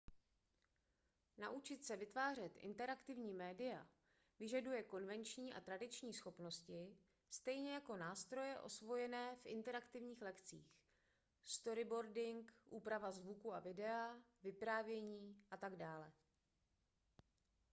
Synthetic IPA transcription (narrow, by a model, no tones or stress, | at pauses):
naʔut͡ʃɪt̪sɛvɪt̪vaːr̝ɛt̪ʔɪ̰nt̪ɛɾakt̪ɪvɲiːmɛːdɪa̰ | vɪʒadujɛko̞nvɛnt͡ʃɲiːʔa̰t̪ɾadɪt͡ʃɲiːsxo̞pno̞scɪ | st̪ɛjɲɛjako̞naːst̪ɾo̞jɛʔo̞̰svo̞jɛnɛːfʔɪ̰nt̪ɛɾakt̪ɪvɲiːxlɛkt͡sḭːx | st̪o̞ɾɪbo̞ɾdɪŋkʔuːpɾavazvukua̰vɪdɛavɪpɾaːvjɛɲiːʔat̪aɡdaːlɛ